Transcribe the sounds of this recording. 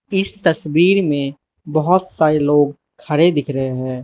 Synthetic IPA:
ɪst̪əswiːɾmẽ | bəɦʊt̪saːɾeloːɡ̚ | kʰːəɽed̪ɪkʰɾəɦeɦɛ̃ː

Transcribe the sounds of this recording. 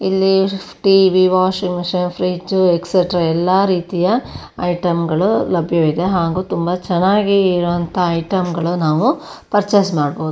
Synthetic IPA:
ilːiʈiʋiʋaːʂiŋʂenpʰɾiːd͡ʒuekseʈɾɐɛlːaːɾiːt̪ijɐ | ɐjʈɐmɡɐɭulɐbʱjɐʋid̪e̞ɦaːɡuːt̪umbɐt͡ʃɛnːaːɡiːɾʋɐnt̪ʰɐɐjʈɐmɡɐɭunaːʋupɐɾt͡ʃesmaːɖboːd̪u

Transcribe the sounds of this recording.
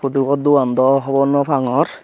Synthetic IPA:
pʰud̪uɡɔd̪uand̪ɔɦɔbɔnɔpʰaŋɔɾ

